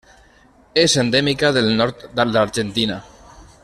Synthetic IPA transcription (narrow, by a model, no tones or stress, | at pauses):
ezend̪ɛmikaðelnɔɾt̪d̪ald̪aɾd͡ʒent̪ina